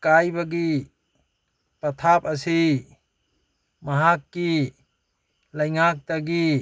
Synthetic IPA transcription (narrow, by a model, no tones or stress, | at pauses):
kajbaɡi | pɐtʰapɐsi | mɐɦakːi | lajŋak̚taɡi